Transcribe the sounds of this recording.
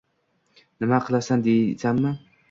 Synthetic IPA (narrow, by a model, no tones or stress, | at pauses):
nɪmaqʰɨlˠasand̪ejsanːɪ